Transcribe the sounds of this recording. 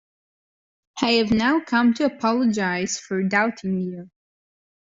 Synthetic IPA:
ʔaɪɨvnaʊkʰʌ̃mtʰɨəpʰɑlˠəd͡ʒaɪz̥fə˞daʊtʰɪ̃ŋi

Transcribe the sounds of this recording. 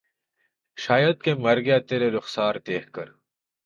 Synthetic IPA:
ʃaːjəd̪̚kemɐɾɡjat̪eːɾeɾʊxsaːɾt̪eːhkɐɾ

